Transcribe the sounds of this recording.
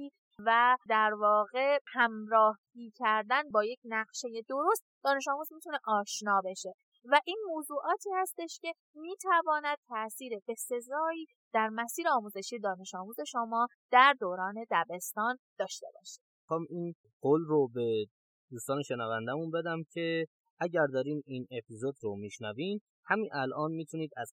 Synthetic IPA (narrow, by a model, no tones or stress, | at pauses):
iː | væd̪æɾvɒːɣe̞hæmɾɒːh | iːcʰæɾd̪ænbɒːje̞cʰnæɣʃeje̞d̪o̞ɾo̞st̪̚d̪̥ɒːne̞ʃɒːmuːzmit̪ʰune̞ʔɒːʃnɒːbe̞ʃe̞ | væʔiːnmoːzuːʔɒːt̪ʰiːhæst̪e̞ʃce̞ | miːt̪ʰævɒːnæd̪̥̚t̪ʰæʔsiːɾebe̞se̞zɒːiː | d̪̥æɾmæsiːɾeɒːmuːze̞ʃije̞d̪ɒːne̞ʃɒːmuːze̞ʃomɒːd̪̥æɾd̪oːɾɒːne̞d̪æbe̞st̪ɒːnd̪̥ɒːʃt̪e̞̰bɒ̰ːʃi̥d̪̥ | ixɒːmiːn | ɡ̥olɾobe̞ | d̪uːst̪ɒːneʃenævænd̪æmunbe̞d̪æmcʰe̞ | ʔæɟæɾd̪ɒːɾiːmiːne̞pʰizod̪ɾomiːʃnævim | hæminʔælʔɒːnmiːt̪ʰuniːd̪æz